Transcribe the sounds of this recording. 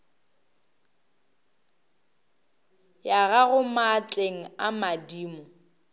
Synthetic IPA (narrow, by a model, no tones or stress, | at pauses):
jaɣaɣʊmat͡ɬʼeŋ̩amadiːmɔ